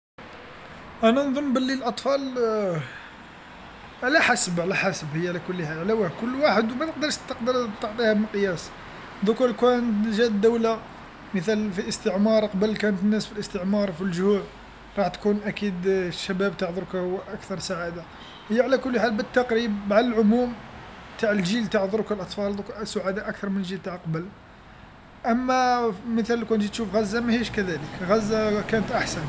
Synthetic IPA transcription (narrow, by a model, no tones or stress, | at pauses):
ʔænænðˤonːbəlːilʔɑt̪ˤfɑl | ʕlæħasbʕlæħasəbhəjːaʕlækʊlːħalʕlæwakʊlːwaħəd̪wmæt̪əq̚d̪ɑɾˤʃt̪əqd̪əɾt̪ːɑʕt̪ˤihæmənqəjæs | d̪ʊkuɾkænt̪ʒæd̪ːæwla | mət̪ælfiʔəst̪əʕmɑɾˤqɑbəlkænət̪ənːæsfilʔəst̪əʕmɑɾˤfilʒhuʕ | ɾˤɑħt̪kunʔækid̪ʃæbæb̚t̪ɑʕd̪ˤʊɾkhwʔækt̪ɑɾˤsaʕad̪a | həjːaʕalækʊlːħalbət̪ːɑqɾib̚ːaʕəlʕʊmum | t̪aʕəlʒilt̪aʕd̪ˤʊɾkəlʔɑt̪ˤfɑld̪ksʊʕad̪aʔæk̚t̪ɑɾˤmənʒilt̪aʕlqɑbəl | ʔæmːæmət̪ælːkænt̪it̪ʃufɣæzːamæhiʃkæd̪æləkɣæzːakænət̪ʔaħsæn